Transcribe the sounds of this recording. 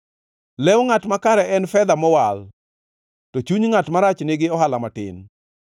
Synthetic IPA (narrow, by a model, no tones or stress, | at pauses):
lɛwŋatmakaɾɛɛnfɛd̪amɔwal | tɔt͡ʃuɲŋatmaɾat͡ʃnɪɡɪɔɦalamatɪ̰n